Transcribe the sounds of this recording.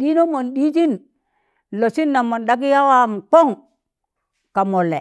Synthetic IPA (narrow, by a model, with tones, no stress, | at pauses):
ɗi˦no˦mo˨nɗi˦d͡ʒi˦n | lo˨si˦nːa˨mo˨nda˦ɡi˦ja˦wa˦m˨k͡po˦ŋ | ka˨mo˨lːe˨